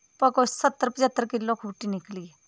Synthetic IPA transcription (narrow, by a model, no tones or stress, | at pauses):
pɐkosət̪ːəɾpəd͡ʒət̪ːəɾkɪlːokʰuːʈinɪkliɛ